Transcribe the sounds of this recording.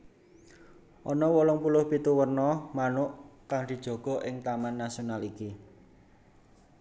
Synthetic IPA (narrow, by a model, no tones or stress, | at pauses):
ʔɔnɔwɔlɔŋpulʊhpit̪uwərnɔmanʊʔkaŋd̪̥i̤d̥ʒ̥ɔ̤ɡ̥ɔ̤ʔɪŋt̪amanːasionaliki